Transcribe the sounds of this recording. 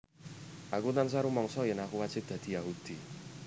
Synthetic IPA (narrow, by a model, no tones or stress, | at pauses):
akot̪ans̬aɾumɔŋsɔjɛnakuwat͡ʃɪk̚d̪̥ad̥̪ijaɦud̥i